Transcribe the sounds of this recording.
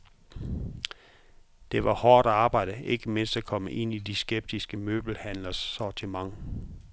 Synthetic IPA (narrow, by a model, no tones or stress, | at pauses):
d̥e̝ʋɑ̈hɒːɾ̥æɑ̈ːb̥ɑ̈ɪ̰d̥əe̝ɡ̥əme̝n̰sd̥ækʰɒ̽məʔe̝n̰id̥isɡ̥eb̥̚d̥isɡ̥əmøːb̥l̩hæn̰lɐsːɒt͡sʰimɑ̈ŋ